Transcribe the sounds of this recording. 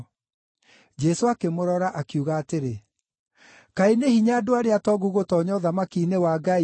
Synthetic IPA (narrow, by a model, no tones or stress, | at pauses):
d͡ʑɛsoakemoɾɔɾaʔakiuɣaːteɾe | kainehiɲaːdoaɾeatɔɡuɣotɔːɲɔðamakinewaɡai